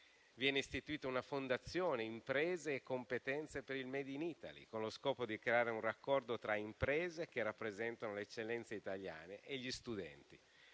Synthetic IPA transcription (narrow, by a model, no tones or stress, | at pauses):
vjɛːneist̪it̪uiːt̪aunafond̪at̪sːjoːneimpɾeːzeːkːompet̪ɛnt̪sepeɾilmɛːd̪iniːt̪a̰lḭkonloskɔːpod̪ikɾeaːɾeunrakːɔrd̪ot̪ɾaimpɾeːzek̟erapːɾezɛnt̪anoleːt͡ʃːelːɛnt̪seit̪alja̰ːneʔeʎːist̪ud̪ɛ̰nt̪i